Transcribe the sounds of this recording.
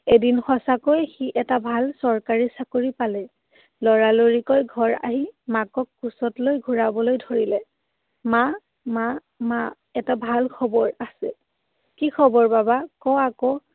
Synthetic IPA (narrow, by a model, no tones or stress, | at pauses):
edinxɔsakojxiʔɛtabʱalsɔɹkaɹisakoɹipalɛ | lɔɹaloɹikojɡʱɔɹa̰ɦimakɔkːusɔtlojɡʱuɹabɔlojdʱoɹilɛ | ma | ma | ma | ɛtabʱalkʰɔbɔɹasɛ | kikʰɔbɔɹbabakɔakɔ